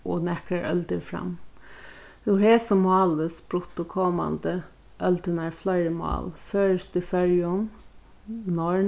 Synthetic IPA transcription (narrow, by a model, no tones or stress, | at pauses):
ʔɔ̰nɛkəɾʔœ̰ld̪əfɾɑ̰m | jʊheːsəmɑːləsb̥ɾʊt̪ːɔkʰɔmɑ̰nd̪ə | ʔœld̪ənæɾflœʏɾəmɑ̰ːlføːɹəsd̪̥ʉfœljəɔm | nɔɹ